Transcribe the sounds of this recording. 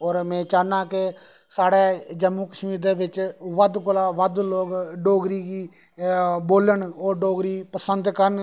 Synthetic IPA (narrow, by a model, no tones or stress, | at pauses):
ɔːɾmɛ̃ːt͡ʃaːnãːkɪ | saːɽeːd͡ʒəmːuːkəʃmiːɾd̪eːʋɪt͡ʃʋəd̪kolaːʋəd̪loːɡɖoːɡɾiːɡiː | boːləɳoːɖoːɡɾiːpəsənd̪kəɾən